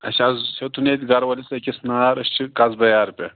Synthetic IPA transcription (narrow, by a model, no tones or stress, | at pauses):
ɐʃazset̪ʰunet̪ʲɡɐɾwɐlisɐkʲisnaːɾɐɕt͡ʃʰikazbɐjaːɾpʲe